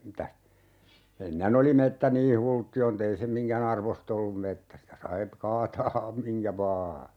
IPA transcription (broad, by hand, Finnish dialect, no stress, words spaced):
mitæs enːen oli metːæ niː hultːiont ei se miŋkæn ɑrʋost olːum metːæ sitæ sɑi kɑːtɑː miŋkæ ʋɑː